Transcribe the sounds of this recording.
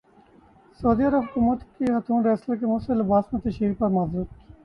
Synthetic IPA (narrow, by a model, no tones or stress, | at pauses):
soːd̪iːɐɾəbkʊmʊt̪kixɐt̪ʰũːnɾɛːsləkemʊselɪbaːsmẽːt̪ɐʃɾiːkpɐɾmaːzuːt̪i